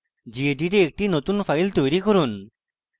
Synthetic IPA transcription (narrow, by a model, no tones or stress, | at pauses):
d͡ʑieɖiɾeek̚ʈinot̪unfʰajlt̪ojɾikɔɾun